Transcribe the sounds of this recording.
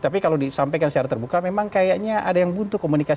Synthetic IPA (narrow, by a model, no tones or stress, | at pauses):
t̪apikalodisampajkansə̥t͡ʃaɾat̪ərbukamemaŋkajaʔɲaʔadajaŋbunt̪ʊkːomunika